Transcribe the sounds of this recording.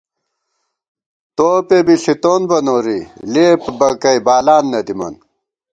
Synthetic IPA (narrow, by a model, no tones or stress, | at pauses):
t̪oːpebiɬit̪oːnbɐnoːɾileːpbɐkɐjbaːlaːnːɐd̪imɐ̰n